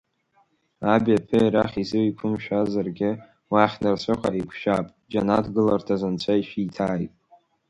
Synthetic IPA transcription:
abʲapʰɨiɾaχʲizɨwikʷʰʊmʃᶣazarɡʲɪ | waχʲnɨrsʷɨχʷaikʷʰʃᶣapʼ | d͡ʒanatɡɨlartʰazant͡ɕʷʰaiʃitʰaːjtʼ

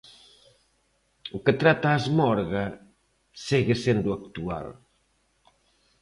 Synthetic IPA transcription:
uket̪ɾat̪aːzmɔɾɣɐ | siɣesend̪uakt̪ua̰l

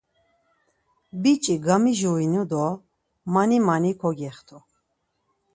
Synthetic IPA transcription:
bit͡ʃʼiɡamiʒuinud̪ɔ | manimanikʰɔɡɛχt̪ʰu

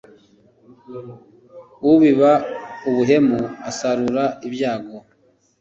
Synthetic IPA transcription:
wuβiβauβuɦe̞muasaɾuɾaibjaːɡo

